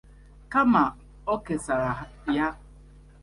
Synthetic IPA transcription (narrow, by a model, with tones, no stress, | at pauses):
ka˦ma˨ | ɔ˦ke˨sa˨ɾa˨ɦja˦